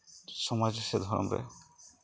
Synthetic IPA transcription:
sɔmad͡ʒosed̪ʱɔɾɔ̰mɾḛ

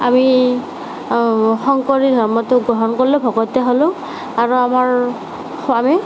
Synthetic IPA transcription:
ami | xɔŋkɔɹidʱɔɹmɔteɡɹɔɦɔnkoɹilobʱɔɡɔtɛɦolʊ̃ | aɹuamaɹ | ami

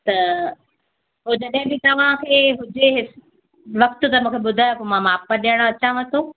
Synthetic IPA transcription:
t̪ɐ | ɦʊd̪ɐɗ̃ɪ̃bɪt̪ɐʋ̤ãkʰeːɦʊd͡ʑeɦɪs | ʋɐkt̪ʊ̆t̪ɐmũːkʰeɓʊd̪ʱaːjopomãmaːpaɗiəɽ̃oɐt͡ɕãʋɐ̃t̪ʰo

